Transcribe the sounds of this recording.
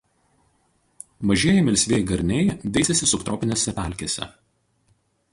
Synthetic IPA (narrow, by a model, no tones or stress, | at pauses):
ʋɐʒʲeːjɛmʲɪlʲsʲʋʲeːjɡɐɾʲnʲɛɪd̪ʲɛɪsʲɛsʲɪsʊpt̪ɾoːpʲɪnʲeːsʲɛpʲæˑlʲkʲesʲɛ̰